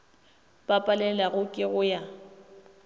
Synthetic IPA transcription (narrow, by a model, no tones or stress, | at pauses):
bʼapʼalɛlaɣʊkʼɪɣʊja